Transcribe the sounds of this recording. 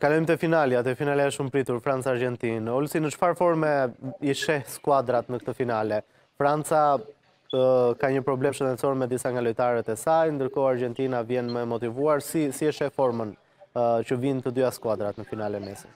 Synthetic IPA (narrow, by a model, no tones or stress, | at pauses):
kalɔjmt̪ɛfinaliat̪ɛfinalɛɛʃumpɾit̪uɾfɾant͡saːɾd͡ʒɛnt̪inɔlsinət͡ʃfaɾfɔɾmɛiʃɛhskwad̪ɾat̪nəkt̪əfinalɛ | fɾant͡sa | kaɲəpɾɔblɛʃənd̪ɛtsɔɾmɛd̪isaŋɡalɔjt̪aɾɛt̪ɛsajnd̪əɾkɔaɾd͡ʒɛnt̪inavjɛnməɛmɔt̪ivuaɾsisiəʃɛfɔɾmən | t͡ʃəvint̪əd̪yaskuad̪ɾat̪nəfinalɛmɛsi